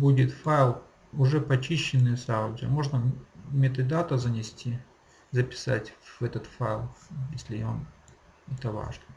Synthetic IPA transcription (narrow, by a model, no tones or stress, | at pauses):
budʲɪt̪fajɪlˠ | ʊʐɛpɐt͡ɕiɕːɪnːɨsaʊdʲə̰mo̞ʐnəmʲet̪ɨd̪at̪əzənʲɪsʲtʲi | zəpʲɪ̥sa̰tʲvɛt̪ət̪faɪlˠjesʲlʲɪa̰m | ɛt̪əva̰ʐnə